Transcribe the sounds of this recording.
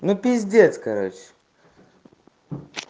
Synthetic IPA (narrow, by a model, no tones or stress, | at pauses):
nʊpʲɪzʲdʲet͡s̪ʲkɐɾo̰t͡ɕ